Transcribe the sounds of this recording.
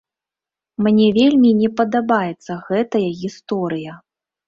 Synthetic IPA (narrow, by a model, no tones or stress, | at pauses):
mnʲɛvʲelʲmʲinʲɛpɐd̪abajɛt̪sːɐɣɛt̪ɐjɐɣʲist̪ɔɾɨjɐ